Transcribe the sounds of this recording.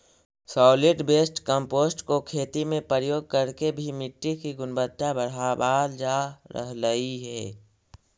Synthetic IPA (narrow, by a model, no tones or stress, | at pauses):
sɔːlɪʈbeːsʈkəmpoːsʈkokʰeːt̪imẽpɾəɾəjoːɡ̚kəɾkebʱimɪʈːikiɡʊnbət̪ʃabəɽ̤abaːld͡ʒaːɾə̰ɦləiɦɛː